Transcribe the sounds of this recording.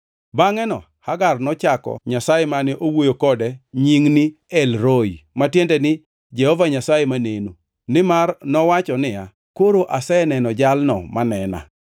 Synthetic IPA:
baŋɛnɔ | haɡarnɔt͡ʃakɔ̰ɲasajemanɪʔowojokɔdɛɲiŋniɛlɾojmatjentɛnɪ | d͡ʒɛhɔvaɲasajemaneno | nɪmarnɔwat͡ʃɔnɪa | koɾoʔasɛnɛnɔd͡ʒalnɔ̰manɛna̰

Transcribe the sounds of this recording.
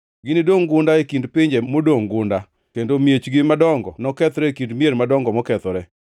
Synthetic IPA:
ɡɪnɪdoŋɡʊndaekindpɪɲd͡ʒɛmodoŋɡʊnda | kendomjet͡ʃɡɪmadɔŋɡɔnɔkɛt̪ɾɛkindmieɾmadɔŋɡɔmɔkɛt̪ɔɾɛ

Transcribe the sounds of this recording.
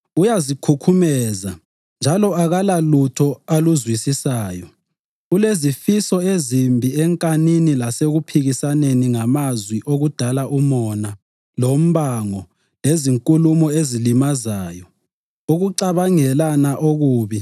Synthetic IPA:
ujazikʰukʰumɛːza̰ | nd͡ʒʱalɔaɣalalutʰɔaluzwisisaːjɔ | ulezifisɔezimbʱiɛŋkʼaninilaseɣupʰiɣisaneniŋamazwiʔoɣud̥ʱalaʔumɔna | lom̩βaŋɔ | leziŋkʼulumɔezilimazaːjɔ | uɣuǀaβaŋɛlanaʔoɣuːβi

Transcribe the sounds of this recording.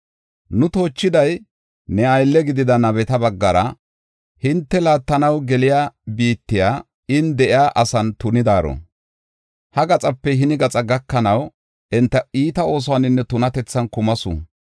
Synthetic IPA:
nʊt̪o̞ːt͡ʃːɪd̪ɐj | nɛɐjlːɛɡɪd̪ɪd̪ɐnɐbɛt̪ɐbɐɡːɐɾɐ | hɪnt̪ːɛlaːt̪ːɐnɐwɡɛlɪjaːbiːt̪ːɪjaː | ɪnd̪ɛʔɪjaːʔɐsɐnt̪ʊnɪd̪aːɾɔ̰ | hɐɡɐt͡sʼɐpːɛɦɪnɪɡɐt͡sʼɐɡɐkːɐnɐw | ɛnt̪ːɐiːt̪ɐo̞ːs̬ɔwanɪnːɛt̪ʊnɐt̪ɛt͡sːɐnkʊmɐsʊ̰

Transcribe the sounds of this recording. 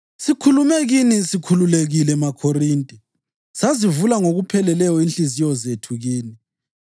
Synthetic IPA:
sikʰulumɛɣinisikʰululeɣilɛmakʰoriːntʼɛ | sazivulaŋoɣupʰɛlɛlɛjɔinɬizijɔzetʰuɣiːni

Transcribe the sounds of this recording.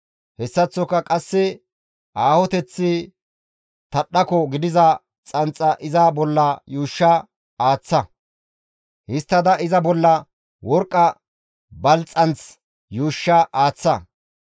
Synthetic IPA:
hɛsːɐt͡sːɔkːɐkʼɐsːɪ | ʔaːhɔt̪ɛt͡sːɪ | t̪ɐɗɐkɔɡɪd̪ɪzɐ | t͡sʼɐnt͡sʼːɐʔɪzɐbɔlːɐjuːʃːɐ | aːt͡sːɐ | hɪst̪ːɐd̪ɐʔɪzɐbɔlːɐ | wɔɾkʼːɐ | bɐlt͡sʼɐnt͡s | juːʃːɐʔaːt͡sːɐ

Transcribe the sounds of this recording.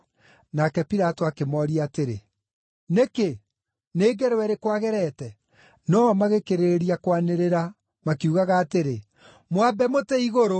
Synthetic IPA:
nakɛpiɾatoakemɔɾiaːteɾḛ | neke | neːɡɛɾwɛɾekwaɣɛɾɛtɛ | nɔmaɣekeɾeeɾiakwaneɾeɾa | makiuɣaɣaːteɾe | mwabɛmotɛiɣoɾo

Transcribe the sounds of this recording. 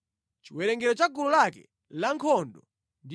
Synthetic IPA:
t͡ʃiwɛɾɛŋɡɛɾɔt͡ʃaɡululakɛ̰ | laŋkʰɔndɔ | nd

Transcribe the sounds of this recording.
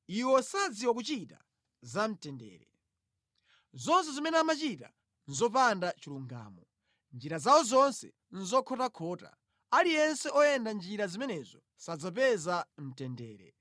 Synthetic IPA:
iwɔsad͡ziwɔk̬ut͡ʃita̰ | zam̩tɛndɛ̰ːɾɛ | zɔns̬ɛzimɛnɛamat͡ʃita | n̩zɔpandat͡ʃiluŋɡa̰ːmɔ | nd͡ʒiɾazawɔzɔnsɛ̰ | n̩zɔkʰɔtakʰɔːta̰ | alijɛnsɛʔɔjɛndand͡ʒiɾazimɛnɛzɔ | sad͡zap̬ɛzam̩tɛndɛːɾɛ̰

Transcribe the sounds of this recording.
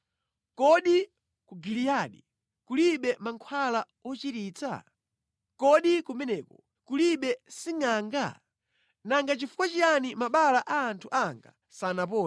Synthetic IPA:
kɔɗi | kuɡilijaːɗi | kuliɓɛmaŋkʰwala | ɔt͡ʃiɾiːt͡sa̰ | kɔɗikumɛnɛkɔ | kuliɓɛsiŋaːŋɡa̰ | naŋɡat͡ʃifu̥kwat͡ʃianimaɓalaʔaːntʰuʔaŋɡa̰ | sanap̬ɔː

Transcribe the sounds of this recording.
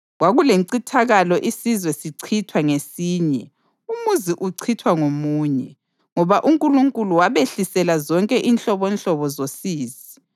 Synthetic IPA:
ɣwaɣuleǀitʰaɣalɔʔisizwɛsiǀʰitʰwaŋesiːɲɛ | umuziʔuǀʰitʰwaŋomuːɲɛ | ŋɔβaʔuŋkʼuluŋkʼuluwaβeɬisɛlazɔŋkʼɛʔinɬɔβɔnɬɔβɔzosiːzi

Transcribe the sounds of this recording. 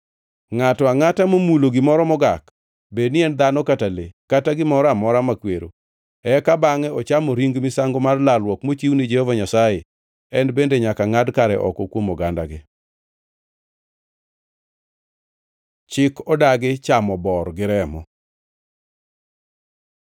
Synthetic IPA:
ŋatɔaŋatamomuloɡɪmɔɾɔmɔɡak | benɪɛnd̪anɔkatalekataɡɪmɔɾɔamɔɾamakweɾo̰ | ɛkabaŋɛɔt͡ʃamoɾiŋɡmɪsaŋɡomarlalwɔkmot͡ʃiwnid͡ʒehovaɲasaje | ɛnbendeɲakaŋadkaɾɛ̰ʔɔ̰kɔkwomɔɡandaɡɪ | t͡ʃɪkɔdaɡɪt͡ʃamɔbɔrɡɪɾɛmɔ̰

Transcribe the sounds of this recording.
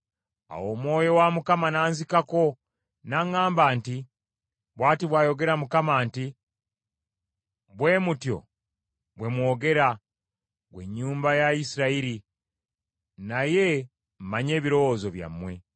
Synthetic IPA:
a̰wo̞ːmwo̞ːjo̞wamukamanaːnzikako̞ | naŋaːmbaːnti | βwaːtiβwaːjo̞ɡe̞ɾamukamaːnti | βwe̞ːmutjo̞̰ | βwe̞mwo̞ːɡe̞ɾa | ɡwe̞̰ɲːuːmbajaisiɾaiɾi | naje̞ | m̩maɲe̞ːβiɾo̞wozo̞βja̰mːwe̞

